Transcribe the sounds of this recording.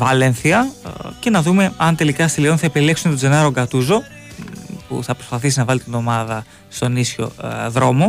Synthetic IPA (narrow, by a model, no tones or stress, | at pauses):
vɐlenθiɐce̞nɐðume̞ɐnt̪e̞likɐst̪ilionθɐepileksumet̪od͡ze̞nɐɾoɡɐt̪uzo̞ | pṵθɐpɾo̞spɐθisinɐvɐlit̪ino̞mɐðɐ | st̪o̞nisço̞̰ðɾo̞mo̞